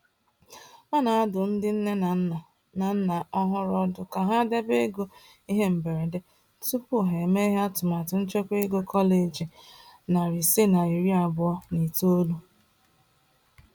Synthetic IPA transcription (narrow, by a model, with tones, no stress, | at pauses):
ma˦na˨a˦dʊ˨n̩˦dɪ˦n̩˦ne˦n˨ | na˨n̩˦na˨ɔ˦ɦʊ˦ɾɔ˦dʊ˨ka˨ɦa˦de˦be˦ɡo˦ | i˦ɦe˦m̩˨be˨ɾe˨de˦ | tu˦pʊ˦ɦe˨me˦i˦ɦa˦tʊ˨ma˨tʊ˨n̩˦t͡ʃo˦kʷe˦ɡo˦kʰɔ˦le˨d͡ʒi˨na˨ɾi˨si˦na˨i˨ɾi˦a˨bɔ˦ni˨to˦lu˦